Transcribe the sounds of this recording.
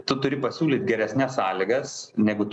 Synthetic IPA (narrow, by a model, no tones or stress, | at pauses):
t̪ʊt̪ʊɾʲɪpɐsʲuːlʲiːt̪ʲɡʲɛɾʲɛsʲnʲɛssɑːlʲɪɡɐsnʲæːɡʊt̪